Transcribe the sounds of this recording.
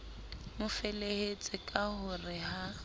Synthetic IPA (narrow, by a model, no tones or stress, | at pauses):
mʊfelehet͡sʼɪkʼahʊrɪɦha